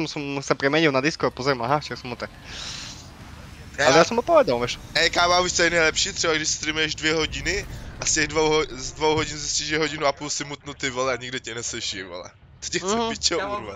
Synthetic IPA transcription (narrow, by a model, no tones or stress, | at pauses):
msɔmsapɾɛmɛɲilˠnad̪iskuapozɾɛmaɦaft͡ʃɛksɔmut̪ak | alɛjaːsɔmɦɔpɔʋɛd̪alˠʋɛʃɛjkaːmauʃt͡sɛjnɛjlɛpʃiːt̪r̥ɛbaɡdɪʃst̪ɾimjɛʒdvjɛɦoɟɪnɪʔascɛɣdvowɦzdvowɦoɟɪnzisciʒɛɦoɟɪnuapuːlsɪmut̪nut̪ɪvolɛaɲiɡdocɛnɛslɛʃivo̰lɛ̰ | t̪o̥cɛicɛuɾva